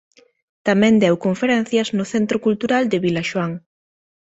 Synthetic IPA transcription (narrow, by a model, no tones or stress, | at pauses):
t̪amɛ̃nd̪ɛwkoɱfeɾɛn̟θjɐznʊθent̪ɾokult̪uɾald̪ɪβilaʃwaŋ